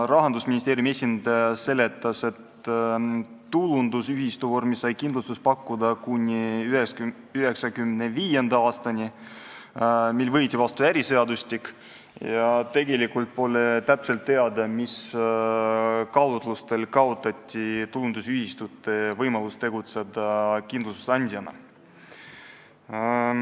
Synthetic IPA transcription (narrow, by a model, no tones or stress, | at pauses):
rɑɦɑnd̪usminʲist̪eːɾʲjumie̞sʲind̪̥ɑjɑse̞le̞t̪ːˑɑse̞t̪ | ulund̪usyɦist̪uvormisːɑjkind̪lust̪uspɑkːud̪ɑkunʲːiye | yɦe̞ksɑkymneviːje̞nd̪ɑɑːst̪ɑnʲi | milvɤjt̪ʲivɑst̪uæɾise̞ɑd̪ust̪ik | jɑt̪e̞ɡe̞likult̪̚po̞le̞t̪æpse̞lt̪ːe̞ɑd̪ɑmis | kɑld̪lust̪e̞lkɑot̪ːˑɑt̪ʲːˑit̪ulund̪̥usyhist̪ut̪ːˑe̞vɤjmɑlust̪t̪e̞ɡut̪sed̪ɑkind̪lust̪u̥sɑnʲd̪ʲjɑnɑ̰